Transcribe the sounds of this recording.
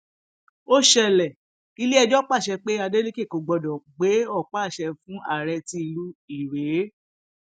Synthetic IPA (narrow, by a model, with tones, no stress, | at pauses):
o˦ʃɛ˧˨lɛ˨ | i˧li˦ɛ˧d͡ʒɔ˦k͡pa˦˨ʃɛ˧k͡pe˦a˧de˦li˦ke˦˨ko˨ɡ͡bɔ˧dɔ̃˨ɡ͡be˨˦ɔ˦˨k͡pa˦˨ʃɛ˧fũ˦a˦˨ɾɛ˧ti˧˦i˧lu˦i˦˨ɾe˨˦